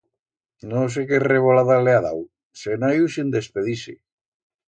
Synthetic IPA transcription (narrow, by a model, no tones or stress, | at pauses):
nõs̬ekereβolaðaleaða̰w | senajusind̪espeðisḛ